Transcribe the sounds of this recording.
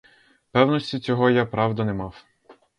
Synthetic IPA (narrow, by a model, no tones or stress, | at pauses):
pɛwnɔsʲtʲit͡sʲɔɦɔjapɾɑwd̪ɐnɛmɑw